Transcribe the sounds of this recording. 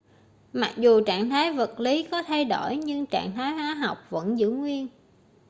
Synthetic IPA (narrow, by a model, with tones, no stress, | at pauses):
ma˨˩k̚zu˨˩t͡ɕa̰ː˧˨ŋt̪ʰaː˨˦jvə˨˩t̚li˨˦kɔ˨˦t̪ʰa˧jɗo˧˩jɲɨ˧ŋt͡ɕa̰ː˧˨ŋt̪ʰaː˨˦jɦwaː˨˦ɦa˨˩wk͡p̚və̰˧˥nzɨ̰˧˥ŋwi˧ən